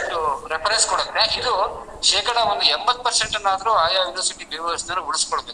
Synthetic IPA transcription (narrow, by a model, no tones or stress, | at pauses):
ʈuɾepʰɐɾɐjskoɔɽɐt̪ːeʔid̪u | ʃeːkɐɽɐond̪uembɐt̪ːupɐɾseɳʈɐnːaːd̪ɐɾuaːjaːʋinʋɐɾsiʈibɐʋɐɐsnɐnːuuɽuskoɭbek̪